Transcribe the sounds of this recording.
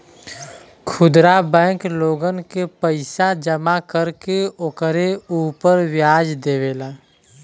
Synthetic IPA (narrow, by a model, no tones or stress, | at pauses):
kʰʊd̪ɾabɛ̃ːkloːɡənkepəɪsad͡ʒəmakəɾkeokɾeuːpəɾwjaːd͡ʒd̪eːʋeːlaː